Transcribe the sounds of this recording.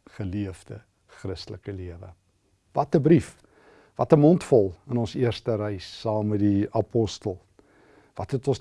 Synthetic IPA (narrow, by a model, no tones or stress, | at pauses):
χəliəvdə | χrəstələkəliəvə̰ | vɐtəbɾif | vɐtəmɔntfɔlˠənɔnsiərstəɾəjsːɑːmmədiɐpɔstəlˠ | vɐtɦɛtɔns